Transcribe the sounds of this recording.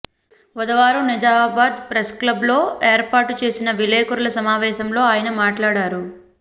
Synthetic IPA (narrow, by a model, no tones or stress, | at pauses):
ʋɐd̪ɐʋaːɾunɐd͡ʒaːbaːd̪pɾesklɐblo̞ːeːɾpaːɾʈt͡ʃe̞ːsinɐʋileːkuɾɐlɐsɐmaːʋɛːʃɐmlo̞ːaːjɐnɐmaːʈlaːɽaːɾu